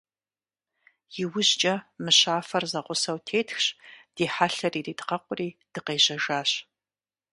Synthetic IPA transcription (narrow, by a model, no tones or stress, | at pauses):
jɪwʊʑt͡ʃʼɐmɨɕaːfɐrzɐʁʷʊsɐwtʰeːtxɕd̥iːħaɬɐriːriːdqɐqʷʼʊriːd̥ɨqeːʑɐʒaːɕ